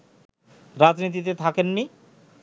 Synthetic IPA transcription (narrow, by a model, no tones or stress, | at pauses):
ɾad͡ʑnit̪̬it̪̬et̪ʰakenmi